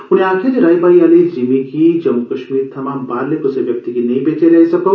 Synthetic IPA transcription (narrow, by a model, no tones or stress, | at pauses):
ʊneaːkʰjad͡ʒeɾaːjbaːiaːlid͡ʒimikid͡ʒɐmukɐʃmiːɾt̪ʰɐmãːmbaːɾlekoseʋjɐk̚t̪ikinɐɦĩbeːt͡ʃeɾɐɦisɐkow